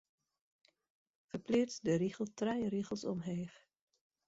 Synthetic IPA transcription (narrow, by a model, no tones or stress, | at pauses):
fərplɪtdəɾiχəlˠtrɛjəɾiɣəlˠsɔ̰mɦeːf